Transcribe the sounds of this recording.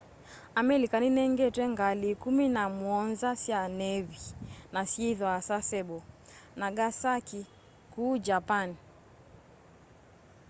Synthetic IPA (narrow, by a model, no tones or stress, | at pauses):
amɛlikaninɛŋɡɛtwɛŋɡalikuminamwɔnzasianɛvinasiɛðɔasasɛɓɔnaɡasaki | kuːd͡ʒapani